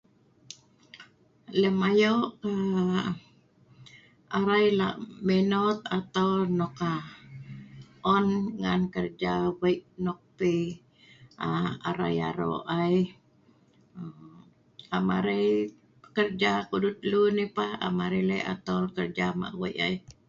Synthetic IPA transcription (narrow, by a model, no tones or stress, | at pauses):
ləmajoʔka | ʔaɾajla̰ʔmɛnɔt̪̚at̪awnɔka | ʔɔnŋankərd͡ʒawajʔnɔk̚pi | ʔaaɾa̰ja̰ɾo̰ʔaj | amaɾej | əkərd͡ʒakudut̪̚lunipaha̰maɾeləa̰t̪awkərd͡ʒama̰ʔwa̰jʔaj